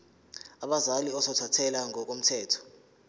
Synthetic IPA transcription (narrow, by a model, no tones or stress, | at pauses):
aɓazaliɔsɔtʰatʰɛlaŋɔk̬om̩tʰɛːtʰɔ̥